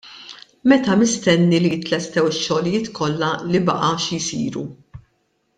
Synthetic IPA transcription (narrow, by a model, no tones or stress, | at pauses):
mɛt̪ɐmɪst̪ɛnːilijɪt̪lɛst̪ɛwɪʃːɔlɪjɪːt̪kʰɔlːɐlibɐ̰ʔɐʃijsḭːɾṵ